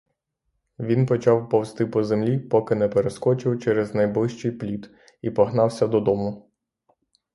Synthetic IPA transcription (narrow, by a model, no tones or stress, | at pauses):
ʋʲinpɔt͡ʃɑwpɔwst̪ɪpɔzemlʲipɔkɪnɛpeɾeskɔt͡ʃɪwt͡ʃɛɾɛznɐjblˠɪʃt͡ʃɪjplʲit̪ | ipɔɦnɑwsʲɐd̪ɔd̪ɔmʊ